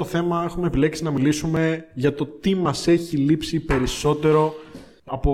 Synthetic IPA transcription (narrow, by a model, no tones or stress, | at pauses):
oθe̞mɐe̞xumeːpile̞ksinɐmilisume̞ʝɐt̪o̞t̪imɐse̞çilipsipe̞ɾiso̞t̪e̞ɾo̞ | ɐpo